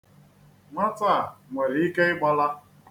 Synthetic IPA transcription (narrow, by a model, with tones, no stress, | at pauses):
ma˦ta˦˨ŋʷe˨ɾi˨i˦ke˦ɪ˦ɡ͡ba˦la˦